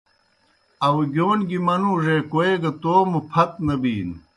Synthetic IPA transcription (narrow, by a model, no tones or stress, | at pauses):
ɐwɡʲoːnɡimɐnuːʐeːkoeɡɐt̪oːmupʰɐt̪̚nɐbiːn